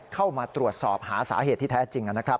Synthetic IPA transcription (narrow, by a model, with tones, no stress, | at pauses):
kʰa˥˩wmaː˧t̪ɾu˨˩ət̪̚sɔː˨˩p̚haː˩˦sa̰ː˩˦ɦeː˨˩t̪ʰːiː˥˩ɛ˦˥t͡ɕi˧ŋːʔa˧na˦˥kʰɾa˦˥p̚